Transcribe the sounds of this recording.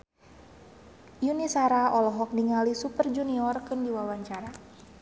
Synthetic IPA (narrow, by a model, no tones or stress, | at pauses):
junisaɾaɔlɔɦɔk̚niŋalisupərd͡ʒuniɔrkɨndiwawaɲt͡ʃaɾa